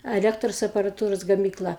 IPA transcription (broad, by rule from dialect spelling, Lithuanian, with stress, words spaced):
ɐˈlʲæːktroːs ɐpɐrɐˈtuːroːs ɡɐmʲiːkˈlˠɐ